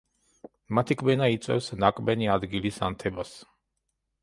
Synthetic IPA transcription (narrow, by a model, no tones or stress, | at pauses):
mat̪ʰikʼbɛnait̪sʼwɛ̰fsnakʼbɛniad̪ɡilisa̰nt̪ʰɛbas